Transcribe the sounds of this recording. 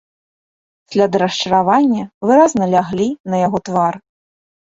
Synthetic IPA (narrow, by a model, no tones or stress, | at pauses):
sʲlʲad̪ɾɐʂt͡ʂɐɾavanʲːɐvɨɾaznɐlʲaɣlʲinɐjaɣɔt̪var